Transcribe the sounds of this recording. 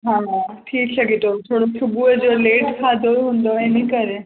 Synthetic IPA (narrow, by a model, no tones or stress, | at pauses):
ɦããʈʰiːksəɡit̪ot̪ʰoɽotʰubued͡zoleʈkʰad̪oɾɦũnd̪oenikəɾe